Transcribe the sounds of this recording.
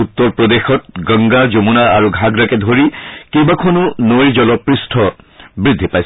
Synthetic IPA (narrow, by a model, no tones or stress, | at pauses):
ut̪ːɔɹpɹɔd̪exɔt̚ɡəŋɡazomunaːɹuɡʱaɡɹakɛdʱoɹikebakʰonunoɹid͡ʒɔlɔpɹistʰɔbɹid̪ʱːipajs